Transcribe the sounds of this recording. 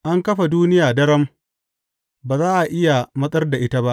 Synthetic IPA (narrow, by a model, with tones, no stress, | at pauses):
ʔa˦ŋkɐ˦ɸa˨duː˦nɪ˦jaː˨dɐ˦ɾɐ˦m | baː˨zaː˦ʔa˨ʔɪ˦ja˨mɐ˦sʼɐ˦rda˨ʔɪ˦ta˦ba˦ʔ